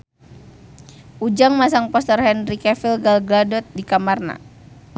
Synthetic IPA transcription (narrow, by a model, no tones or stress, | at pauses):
ʔud͡ʒaŋmasaŋpɔst̪ərɦɛnrikɛfilɡalɡladɔt̪̚dikamarna̰